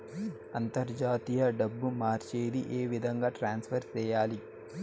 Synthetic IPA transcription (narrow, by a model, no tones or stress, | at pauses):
ɐnt̪ɐɾd͡ʒaːt̪ijɐɖɐbːumaːɾt͡ʃeːd̪iʔeːʋid̪ʱɐŋɡaːʈɾaːnspʰɐɾt͡ʃɛːjaːli